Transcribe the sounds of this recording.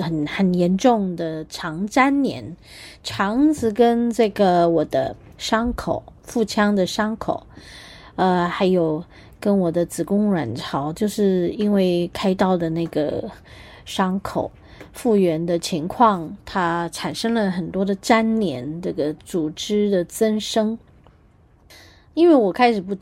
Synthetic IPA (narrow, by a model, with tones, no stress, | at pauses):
xə˨˩nxə˨˩njɛ˧˥nʈ͡ʂʊ˥˩ŋd̪ə˩ʈ͡ʂʰɑ˧˥ŋt͡sa˥nnjɛ̰˧˥n | ʈ͡ʂʰɑ˧˥ŋt͡sɹ̩˧˥kə˥nʈ͡ʂɤ˥˩ɡə˩wɔ˨˩d̪ə̰˦ | ʂɑ˥ŋkʰo˨˩˦ʊfu˥˩t͡ɕʰjɑ˥ŋd̪ə˨ʂɑ˥ŋkʰo˨˩˦ʊ | ə˧xa˧˥ɪjo˨˩ʊ | kə˥nwɔ˨˩d̪ə˦t͡sɹ̩˨˩kʊ˥ŋɻwa˨˩nʈ͡ʂʰɑ˧˥ʊt͡ɕjo˥˧ʊʂɻ̩˥˩i˥nwe˥˩ɪkʰa˥ɪt̪ɑ˥˩ʊd̪ə˩na˥˩ɪɡə̰˩ | ʂɑ˥ŋkʰo˨˩˦ʊ | fu˥˩ɥɛ˧˥nd̪ə˧t͡ɕʰi˧˥ŋkʰwɑ˥˩ŋt̪ʰa˥ʈ͡ʂʰa˨˩nʂɤ˥ŋlə˨xə˨˩nt̪wɔ˥d̪ə˨ʈ͡ʂa˥nnjɛ˧˥nʈ͡ʂə˥˩ɡə˩t͡su˨˩ʈ͡ʂɻ̩˥d̪ə˨t͡sə˥nʂɤ˥ŋ | i˥nwe˥˩ɪwɔ˨˩kʰa˥ɪʂɻ̩˨˩pu˥˩